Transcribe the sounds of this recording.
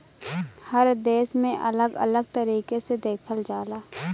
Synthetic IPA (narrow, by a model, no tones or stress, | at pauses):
həɾd̪eːsmẽʔɐ̰ləɡɐ̰ləɡ̚t̪əɾiːkesed̪eːkʰəld͡ʒaːlaː